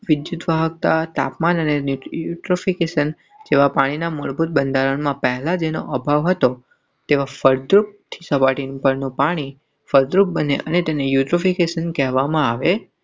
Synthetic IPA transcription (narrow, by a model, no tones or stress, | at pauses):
ʋɪd̪jud̪ʋaɦək̚t̪at̪a̰pmanənenujjuʈɾofikeʃən | d͡ʒeʋapaɽ̃inamoɭbʱut̪̚bənd̪ʱaɾənmãpɛɦɛlad͡ʒeno̰ʔəbʱaʋɦət̪o | t̪eʋafəɾd̪ɾup̚t̪ʰi̥səpaʈinpəɾnũpaɽ̃i | fəɾd̪ɾup̚bəneʔənet̪enejuʈɾofikeʃənkɛɦʋamãaʋe